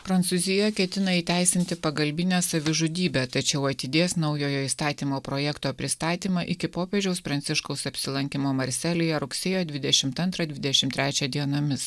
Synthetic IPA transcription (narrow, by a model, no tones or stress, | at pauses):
pɾɐnt̪suːzʲɪjɛkʲɛt̪ʲɪnɐiːt̪ʲæɪsʲɪnʲt̪ʲɪpɐɡɐlʲbʲɪnʲɛːsɐʋʲɪʒʊd̪ʲiːbʲæːt̪ɐt͡ʃʲɛʊɐt̪ʲɪd̪ʲeːsnɐʊjoːjoːist̪ɑːt̪ʲiːmoːpɾoːjɛkt̪oːpʲɾʲɪst̪ɑːt̪ʲiːmɑʔɪkʲɪpoːpʲɛʒʲɛʊspɾɐnt̪sʲɪʃkɐʊsɐpʲsʲɪlˠɐŋʲkʲɪmoːmɐɾʲsʲælʲɪjɛɾʊksʲeːjoːd̪ʲʋʲɪd̪ʲɛʃʲɪmt̪ɐnt̪ɾɐd̪ʲʋʲɪd̪ʲɛʃʲɪmt̪ʲɾʲæːt͡ʃʲɛd̪ʲiɛnoːmʲɪs